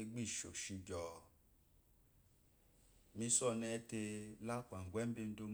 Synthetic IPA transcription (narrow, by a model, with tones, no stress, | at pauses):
e˧ɡ͡bi˦˨ʃo̰˨ʃi˧d͡ʒɔ˨ | mĩ˧˦sɔ˦˨nɛ̃˧˦te˧la˦˨k͡pã˨ŋ̩˨ɡʷɛ˦bi˦n̩˦do˧˦m˦